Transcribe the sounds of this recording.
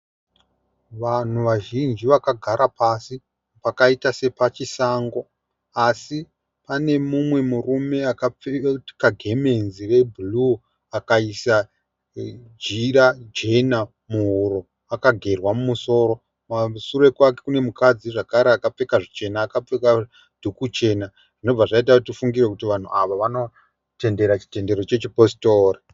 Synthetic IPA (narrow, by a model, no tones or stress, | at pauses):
ʋan̤uʋaʒind͡ʒiʋakaɡʱaɾʔapasi | pakaitase̞pat͡ʃisaŋɡo̞ | asi | pane̞mumwe̞murume̞akap͡fetkaɡʱe̞me̞nzirebʱulu | akaisa | d͡ʒirad͡ʒe̞na | muɦuɾo̞ | akaɡʱe̞rwamumuso̞ːɾo̞ | masure̞kake̞kune̞mukad͡ziʐakaɾeakap͡fe̞kaʐit͡ʃe̞naːkap͡feka | d̥ʱukut͡ʃe̞na | ʐ̥ino̞b͡vaʐait̬autifuŋɡirwekutiʋan̤ṵʔaʋaʋano̞ | te̞nde̞ɾat͡ʃi̥te̞nde̞ɾo̞t͡ʃe̞t͡ʃipostoːri